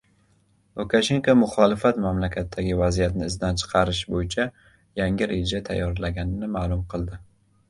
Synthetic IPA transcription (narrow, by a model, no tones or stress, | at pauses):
lˠukʰaʃe̞ŋkamʊχɒlɪfat̪mamlakʲʰat̪ʰːaɡʲɪvazijat̪nɪːzd̪ant͡ʃʰɨ̥qʰɑɾɪʃbojɪt͡ʃʰa | jaŋɪɾed͡ʒat̪ʰa̰jːɒɾlaɡʲanɪnɪmaːlˠʊmqʰɨlˠd̪ɪ